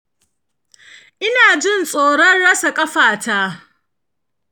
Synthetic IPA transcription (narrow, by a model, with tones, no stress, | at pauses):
ʔɪ˦naː˨d͡ʒɪ˦nsʼoː˨ɽɔ˦nɽɐ˦sa˨kʼɐ˦ɸaː˨taː˦